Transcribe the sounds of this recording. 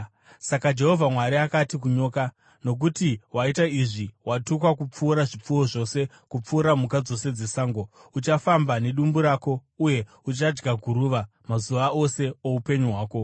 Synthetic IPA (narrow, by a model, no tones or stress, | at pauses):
sakad͡ʒe̞ɦo̞vʱamwaɾiakatik̬uɲo̞ːka | no̞k̬utiwaitaiʐiwatukwakup͡fuːɾaʐip͡fuwo̞ʐo̞se̞ | kup͡fuːɾamukad͡zo̞se̞d͡zesaːŋɡo̞ut͡ʃafambane̞ɗumbuɾaːko̞uje̞ | ut͡ʃad͡ʒɡaɡʱuɾuːʋa | mazuʋao̞se̞oupe̞ɲuɦwaːko̞